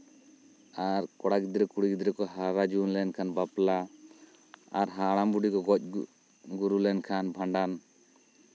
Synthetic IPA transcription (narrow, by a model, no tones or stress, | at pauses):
aɾkɔɽaɡid̪ɾɛkuɽikid̪ɾɛkɔɦaɾad͡ʒunlɛnkʰanbapla | ɾɦaɽambuɖikɔɡɔc̚ˀ | ɡuɾulɛnkʰanbʱaɳɖan